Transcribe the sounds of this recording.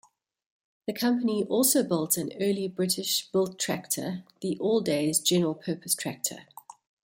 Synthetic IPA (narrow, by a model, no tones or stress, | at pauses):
ðəkʰʌ̃mpəniʔɔˑlˠsəʊbɪlˠtə̃nɜːlibɹɪtɪʃb̥ɪlˠtʰɹ̥æ̰k̚tʰə̰ðiʔɔːlˠdeɪzd͡ʒɛnəɹəlˠpʰɜˑpʰəstʰɹ̥æk̚tʰə̰